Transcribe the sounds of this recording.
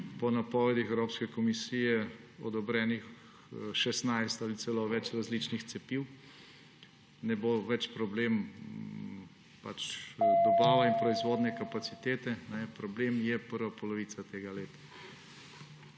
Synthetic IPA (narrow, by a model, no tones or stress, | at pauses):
pɔnapɔːʋɛd̪ixɛwɾoːpskɛkɔmisijɛ | ɔd̪ɔbɾɛːnix | ʃɛsnajst̪alisɛloʋɛt͡ʃɾazliːt͡ʃnixt̪sɛpiw | nɛboʋɛt͡ʃpɾɔbleːm | pa̰t͡ʃd̪ɔbaːʋainpɾɔizʋoːd̪nɛkapat̪sit̪eːt̪ɛnɛpɾɔbleːmjɛpəɾʋapɔlɔʋiːt̪sat̪eːɡaleːt̪ḁ